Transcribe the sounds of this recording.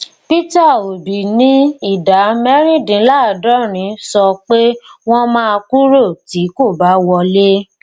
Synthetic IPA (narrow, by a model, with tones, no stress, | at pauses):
pi˦ta˦˨o˨bi˨nĩ˦i˦˨da˨˦mɛ˦ɾ̃ĩ˦dĩ˨˦la˦˨dɔ̃˦ɾ̃ĩ˨˦sɔ˧k͡pe˦w̃ɔ̃˦mãː˦˧ku˦ɾo˦˨ti˨˦ko˦˨ba˨˦wɔ˧le˦